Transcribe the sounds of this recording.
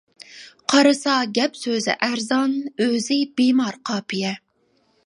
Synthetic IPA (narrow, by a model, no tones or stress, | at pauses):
qʰɑɾɨsɑɡʲɛpsøzɪ̰ʔæɾzɑnøzɪbemɑɾqʰɑːpʰijɛ